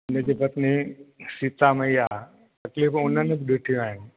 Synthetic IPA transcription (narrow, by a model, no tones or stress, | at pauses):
ʊnəd͡ʑipɐt̪nisit̪ameia | t̪ɐkliːfʊnənɪbɪɗɪʈʰijũaːɦɪnɪ